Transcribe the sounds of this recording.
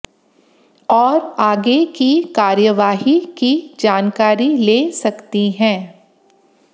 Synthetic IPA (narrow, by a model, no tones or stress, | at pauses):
ɔːɾaːɡekikaːɾjəʋaːɦikid͡ʒaːnkaːɾileːsɐkt̪iɦɛ̃ː